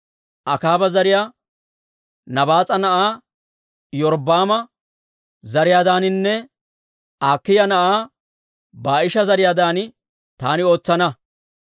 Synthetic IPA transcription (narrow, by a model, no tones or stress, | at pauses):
ʔɐkaːbɐzɐɾɪjaː | nɐbaːt͡sʼɐnɐʔaː | jɔɾbaːmɐ | zɐɾɪjaːd̪aːnɪnːɛ | aːkːɪjɐnɐʔaː | baːʔɪʃɐzɐɾɪjaːd̪aːnɪ | t̪aːnɪo̞ːt͡sːɐnɐ